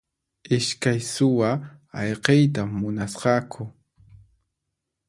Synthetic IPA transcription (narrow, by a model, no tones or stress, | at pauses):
ɪʃkajsʊwaɑ̰ʎqejt̪amːʊnasqɑkʰʊ